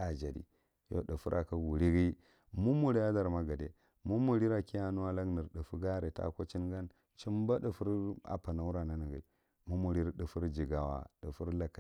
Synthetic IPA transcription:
a˨d͡ʒa˨dḭ˨ | jo̰˦ɗu˨fu˦ɾʔa˨ka˦wu˨ɾi˦ɡi˦ | mu˦mu˨ɾi˦ja˦da˨ɾma˦ɡa˨dḛ˨ | mu˦mu˨ɾi˦ɾa˨ki˦ja˦nu˦a˦la˦ɡni˨ɾɗu˨fu˦ɡa˦ɾe˨ta̰˦ko˦t͡ʃi˦n˦ɡa˦n | t͡ʃi˦mba˦ɗa˨fu˦ɾa̰˨pa˨na˨wu˦ɾa˨na˦ni˨ɡi˨ | mu˦mu˨ɾi˦ɾɗu˨fu˦ɾd͡ʒi˨ɡa˨wa̰˨ɗə˨fu˦ɾla˨ka˦

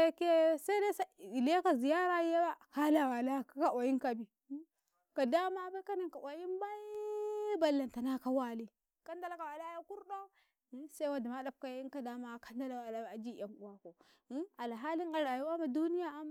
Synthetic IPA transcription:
ke˦sa˦i˦da˦sa˦˨i˨le˦ka˨zi˨ja˦ɾa˦e˦ba˦ka˦la˨wa˨la˦ka˦ka˦˨wa˨ji˦nka˨bi˨˦ | ka˨da˦ma˦ba˦ka˦na˨ŋka˨ʔwa˨ji˦nba˦i˦ba˨lːa˨nta˨na˦ka˦wa˦li˨ | ka˦nda˦la˦ka˨wa˨la˦ja˦ku˦ɾɗo˦ | sa˦i˦wa˦da˨ma˦da˦p̚ka˦ji˦n˦ka˨da˦ma˦˨ka˦nda˦la˨wa˨la˦˨a˨d͡ʒi˦˨ja˨mṵ˨wa˨ko˨˦ | a˨lɦa˦li˦a˨ɾa˨ju˦wa˦ma˨du˦ni˦ja˦a˦m˨

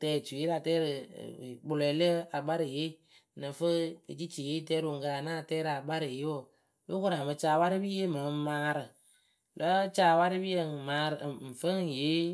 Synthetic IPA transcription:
tɛː˧˨t͡ʃu˨e˦ɾa˨tɛː˦ɾɨ̰˨k͡pʊ˧lɛ˨˦lə˦a˨ɓa˦ɾɨ˨je˦ | nɨ˨fə˦ḛ˨t͡ʃi˦t͡ʃi˨je˦tɛː˦ɾo˨ŋ˨ka˨a˨naː˦˨tɛː˦ɾa˨ba˦ɾɨ˨jwo˦˨ | be˦ko˦ɾa˨mɨ˧t͡ʃaː˧˨wa˦ɾi˦bi˦je˦ma˨˦maː˦ɾɨ˨ | lɔ˦t͡ʃaː˧˨wa˦ɾi˦bi˦je˦˨maː˧ɾɨ˨m̩˨fə˦ŋ˨je˦

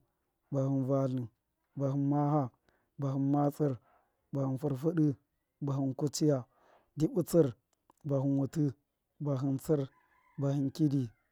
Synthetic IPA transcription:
ba˨hi˨nva˨li˨n | ba˨ɦi˨nma˦ha˦ | ba˨hi˨nma˦t͡si˦ɾ | ba˨hi˨nfu˦ɾfu˦ɗi˦ | ba˨hi˨nku˦t͡ʃi˦ja˨ | di˦bu˦t͡si˦ɾ | ba˨ɦi˨nwu˨ti˦ | ba˨ɦi˨nt͡si˦ɾ | ba˨hi˨nki˦di˨

